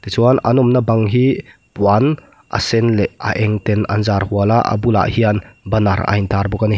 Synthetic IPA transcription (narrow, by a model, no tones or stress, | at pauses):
t̪it͡suanɐ̰nɔmnabɐŋɦi | pwan | ʔa̰sɛnlɛʔɐ̰ʔɛŋt̪ɛnɐ̰nzaːɾhualaʔɐ̰bula̰ʔhianbɐnaɾa̰int̪ʰaɾbɔkani